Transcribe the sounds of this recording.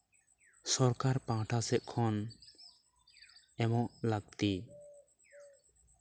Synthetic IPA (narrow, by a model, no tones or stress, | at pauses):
sɔɾkaɾpãʈʰasɛʔ̚kʰɔn | ɛmɔʔlaɡ̚t̪i